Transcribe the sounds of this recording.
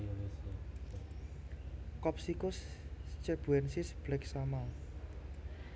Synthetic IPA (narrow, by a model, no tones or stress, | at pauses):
kɔp̚sikʊst͡ʃɛb̥uɛnsisb̥lɛksama